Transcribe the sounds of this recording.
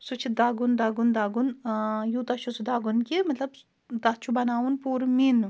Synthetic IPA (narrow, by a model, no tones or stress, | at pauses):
sut͡ʃʰid̪aːɡund̪aɡund̪aːɡunjut̪ɐt͡ʃʰusud̪aːɡunkimɐt̪lɐb | d̪ɐt͡ʃʰubɐnaːwunpuːɾmin